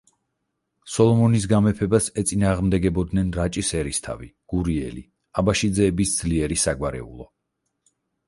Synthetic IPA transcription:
sɔlˠɔmɔnis̬ɡamɛpʰɛbasɛt̪sʼinaːʁmd̪ɛɡɛbɔd̪nɛnɾat͡ʃʼisɛɾist̪ʰa̰vḭɡ̥uɾiɛ̰lḭ | abaʃid̪zɛːbisd̪z̥liɛɾisaɡwaɾɛ̰ṵlˠɔ

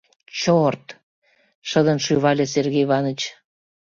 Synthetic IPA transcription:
t͡ɕort̪ | ʃə̆d̪ə̆nʃyβɑlʲeserɣejβɑnət͡ɕ

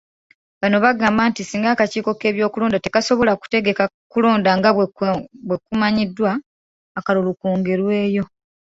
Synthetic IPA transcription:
βano̞βaɡaːmbaːntisiːŋɡaːkaciːko̞ke̞ːβjo̞ːkulo̞ːndate̞kaso̞βo̞laku̥te̞ɡe̞ka | kulo̞ːndaŋɡa | βwe̞kumaɲidːwaː | kalulukuːŋɡe̞ɾwe̞ːjo̞

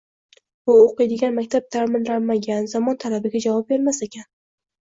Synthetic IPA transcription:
bʊoqɨjd̪ɪɡʲanmakʲt̪ʰap̚t̪ʰaɾmɪnɾamːaɡʲanzɒmɒnt̪ʰalabɪɡʲad͡ʒavɒp̚be̞ɾmasekʲan

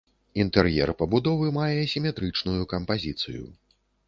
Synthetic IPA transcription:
int̪ɛrjɛ̰rpɐbud̪ɔvɨmajɛsʲimʲɛt̪ɾɨt͡ʂnujukɐmpazʲit̪sɨ̰jṵ

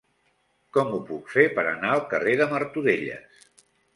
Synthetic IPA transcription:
kɔmupukfepəɾə̰naəlˠkəreðəməɾt̪uðeʎə̰s

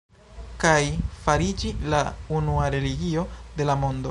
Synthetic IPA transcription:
kajfaɾid͡ʒilaunuaɾe̞liɡio̞de̞lamo̞ndo

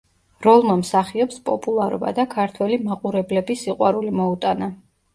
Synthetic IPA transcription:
ɾɔlˠmamsaχiɔpspʼɔpʼulˠaɾɔ̰ba̰d̪akʰaɾt̪ʰwɛlimaqʼuɾɛblɛbisiqʼwaɾulimɔut̪ʼana

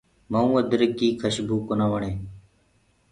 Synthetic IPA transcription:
məũːəd̪əɾəkiːkʰəʃbʱuːkonaːʋəɳeː

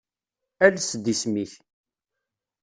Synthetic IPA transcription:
ælsd̪ismiθ

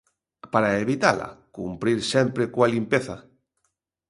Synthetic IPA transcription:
paɾaeβit̪ala̰kumpɾiɾsɛmpɾekwalimpeθa

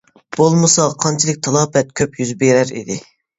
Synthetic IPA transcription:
b̥olˠmɨsɑqʰɑnt͡ʃʰilˠɨk̚ʲt̪ʰɑlˠɑːbɛt̪̚kʲʰøpjyzbeɾæɾḭd̪ɪ

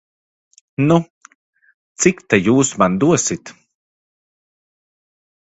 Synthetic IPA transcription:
nu | t͡sikʲt̪ajuːsmand̪uɐsit̪

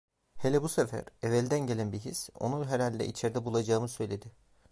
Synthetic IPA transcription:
helʲɛbusefæ̰ɾevɛlʲd̪ænɟe̞lʲænbiɦiso̞̰nuɦeɾalʲd̪ɛ̰ʔit͡ʃʰeɾd̪ɛbulˠad͡ʒaːmɯsø̞jlʲe̞d̪ɪ

